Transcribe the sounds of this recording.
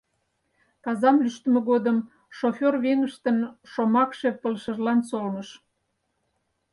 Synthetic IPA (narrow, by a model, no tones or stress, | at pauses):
kɑzɑmlyʃt̪əmeɣod̪əm | ʃofʲorβeŋəʃt̪ənʃomɑkʃe̽pəlʃəʒlɑnsolnəʃ